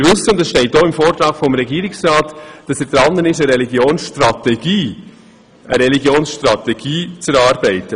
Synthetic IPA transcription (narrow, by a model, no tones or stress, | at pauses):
ɾvɵsəʊndɛsʃtɛɪt̚d̥oːɪmfoːɾt̪ɾɑːkfɔmɾɛɡiːɾɪksɾɑːtd̥ɑsɛːɾd̥̪ɾɑnːənɪʃəɾɛliɡjoːnsʃtɾɑtɛɡ̥iː | ə̰ɾɛliɡjoːnsʃtɾɑt̪ɛɡ̥iːt͡sɛɾɑːɾb̥ɛɪtːə